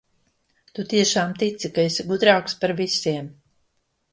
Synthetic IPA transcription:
t̪ut̪iɛʃaːmt̪it̪sikaesʲɡud̪ɾaːkspaɾvisʲiɛm

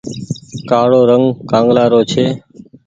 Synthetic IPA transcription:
kaːɽoːɾəŋɡkãːŋɡlaːɾoːt͡ʃʰeː

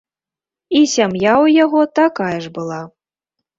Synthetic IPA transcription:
isʲamjawjaɣɔt̪akajɐʐbɨlˠa

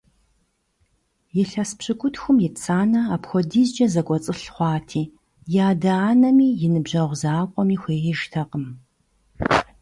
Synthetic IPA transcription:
jɪɬɐspɕɨkʷʊtxʷʊmjɪt͡sʰaːnɐapxʷɔdiːzd͡ʒɐzɐkʷʼɔt͡sʼɨɬχʷɑːtʰiː | jaːdɐaːnɐmiːjɪnɨbʑɐʁʷzaːkʷʼɔmiːxʷeːɪʒtʰɐqʼəm

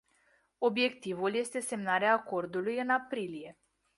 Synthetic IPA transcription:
o̞bje̞kt̪ivulje̞st̪e̞se̞mnaɾeaːko̞rd̪ulujɨnapɾilije̞

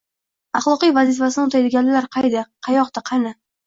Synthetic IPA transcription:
ɑχlˠɒqijvazifas̬ɪnɪʊt̪ʰajd̪ɪɡʲanlɪlaɾqʰɑjd̪aqʰɑjɒqd̪aqʰɑnɪ

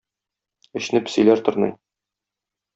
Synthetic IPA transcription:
ɘ̆ɕnɘpsɵ̰̆jlæɾt̪ŏɾnɤ̰j

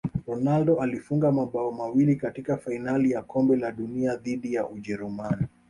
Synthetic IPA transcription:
ɾɔnaldɔʔalifuŋɡamaɓaɔmawilikatikafainalijakɔmbɛlaɗuniaðiɗijaʔuʄɛɾumani

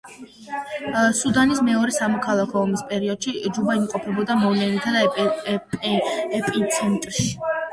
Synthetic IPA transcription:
sud̪anismɛɔɾɛsamɔkʰalˠakʰɔːmispʼɛɾiɔd̪̥ʃid͡ʒubaimqʼɔpʰɛbɔd̪amɔvlɛnit̪ʰad̪a | ɛpʼint̪sʰɛnt̪ʼɾʃi̥

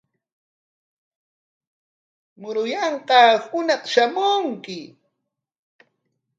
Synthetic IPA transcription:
mʊɾʊjɑɴqɑhʊnɑqʃamʊŋkɪ

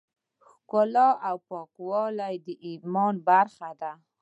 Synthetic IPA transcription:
xkʊlɑʔawpɑkwɑlajd̪əʔimɔnbaɾxad̪a

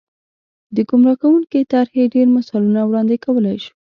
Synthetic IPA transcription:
d̪əɡumɾɑkawuŋket̪aɾheɖeɾmasɑlunawɽɑnd̪ekawəlajʃu̥

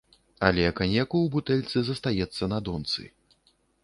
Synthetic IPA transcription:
ɐlʲɛkanʲɛkuwbut̪ɛlʲt̪sɨzɐst̪ajɛt̪sːɐnɐd̪ɔnt̪sɨ̰

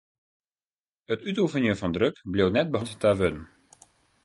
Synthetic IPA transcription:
ətytufənjəfɔndrøkblewnɛt̚bəɔnttaʋødən̩

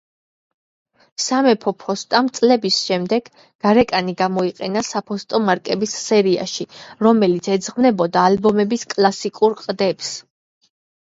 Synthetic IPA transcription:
samɛpʰɔpʰɔst̪ʼamt̪sʼlɛbisʃɛmd̪ɛɡ̥ | ɡ̥aɾɛkʼaniɡamɔiqʼɛnasapʰɔst̪ʼɔmaɾkʼɛbisːɛɾia̰ʃiɾɔmɛlit̪sʰɛd̪zʁmnɛbɔd̪aːlbɔmɛbiskʼlˠasikʼuɾqʼd̪ɛps

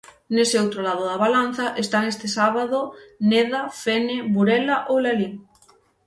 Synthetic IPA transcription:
neseowt̪ɾolaðoðaβalan̟θaʔest̪aŋest̪esaβaðoneðafeneβuɾɛlaʔowlaliŋ

